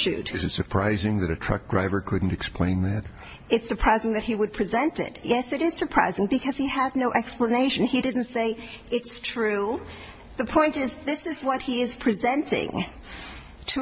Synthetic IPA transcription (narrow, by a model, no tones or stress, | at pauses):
ʉ̰d̥ɨzɨtsə˞pʰɹ̥aɪzɪ̃ŋðɨɾɨtʰɹ̥ʌ̰k̚d̥ɹaɪvə˞kʰʊdⁿn̩tɨksplẽɪ̃nðæt̚ | ɨtsə˞pʰɹ̥aɪzɪ̃ŋðɨt̚hiwəd̚pʰɹ̥izɛ̃ntɪ̰t̚jɛsɨɾɨz̥sə˞pʰɹ̥a̰ɪzɪ̃ŋbɨkʰʌz̥iədⁿnoʊʔɛkspləneɪʃɨ̃nidɪdⁿn̩tseɪ | ɨtstʰɹ̥ʉ | ðɨpʰɔ̃ɪ̃ntɪzðɪsɨzwʌt̚hiɪz̥pʰɹ̥ɨzɛ̃ntɪ̰̃ŋ | tʰɨ